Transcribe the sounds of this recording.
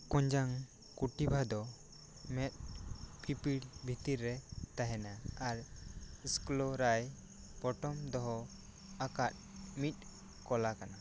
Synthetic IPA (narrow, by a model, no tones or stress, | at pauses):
kɔ̃ɲd͡ʒaŋ | kuʈibʱad̪ɔ | mɛt̪̚pʰipiɽbʱit̪iɾːɛt̪aɦɛnaaɾisklɔɾaj | bɔʈɔmd̪ɔɦɔ | akat̪̚mit̪̚ˀ | kɔlakana